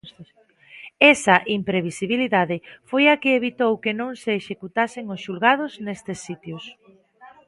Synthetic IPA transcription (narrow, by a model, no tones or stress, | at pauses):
ɛsɐʔimpɾeβ̞isiβiliðaðɪfojakɪːβit̪owkenõŋseːʃekut̪asɪŋʊsʃulɣað̞ʊznest̪esːit̪jʊs